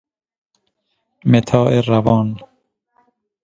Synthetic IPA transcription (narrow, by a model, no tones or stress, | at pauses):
met̪ʰɑːʔeɾavɑːn